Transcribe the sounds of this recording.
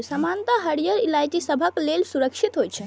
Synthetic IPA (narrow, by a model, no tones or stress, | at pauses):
səmant̪aɦəɽijəɾilajʈisəbʱəklelsuɾəkʃʰit̪ɦojt̪t͡ʃʰɛ